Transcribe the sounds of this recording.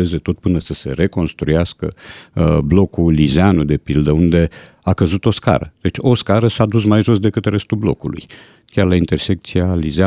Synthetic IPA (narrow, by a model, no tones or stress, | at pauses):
eze̞t̪o̞t̪̚pɨnəsəse̞ɾe̞ko̞nst̪ɾujaskə̰ | blo̞kulizeanud̪e̞pild̪əund̪e̞ | akəzut̪o̞ska̰ɾəd̪̥e̞t͡ʃʲo̞skaɾəsad̪us̬majʒo̞s̬d̪e̞kɨt̪re̞st̪ulblo̞̰kulṵj | kʲarlaint̪e̞rsek̚t̪sializea